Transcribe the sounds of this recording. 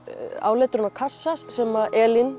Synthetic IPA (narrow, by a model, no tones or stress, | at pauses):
a̰ːwlɛːt̪ɾʏnakʰasːassɛmaðʔɛːlɪn